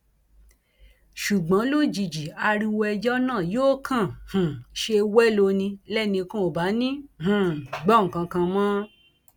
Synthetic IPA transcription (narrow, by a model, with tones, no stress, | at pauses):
ʃu˨ɡ͡bã˨˦lo˦d͡ʒi˨d͡ʒi˨a˧ɾi˧wɛ˧d͡ʒɔ˦nãː˦˨joː˦kʰã˦˨hũ˨ʃe˧wɛ˦lo˧nĩ˧lɛ˦˨nĩ˧kũ˦o˨ba˨˦nĩ˦hũ˨ɡ͡bɔ˦ŋ̩˨kã˧kã˧mã˦